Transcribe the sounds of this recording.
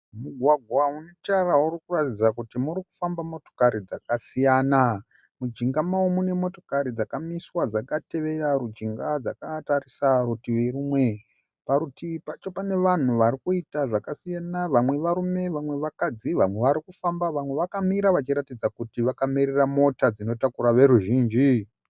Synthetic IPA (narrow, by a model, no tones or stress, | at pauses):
muɡʱwaɡʱwaunetaraurikuratid͡zakutimuɾiku̥fambamo̞to̞̥kaɾid͡zakasijaːna | mud͡ʒiŋɡamaumune̞mo̞to̞kaɾid͡zakamiswad͡zakate̞ʋe̞raɾud͡ʒiŋɡad͡zakataɾisaɾutieɾumwe̞ | paɾutipat͡ʃo̞pane̞ʋan̤uʋaɾikuitaʐakasijanaʋamwe̞ʋaɾume̞ʋamwe̞ʋakad͡ziʋamwe̞ʋaɾikufambaʋamwe̞ʋakamiɾaʋat͡ʃiɾatid͡zakutiʋakamiɾeramo̞tad͡zino̞takuɾaʋe̞ɾuʒiːnd͡ʒi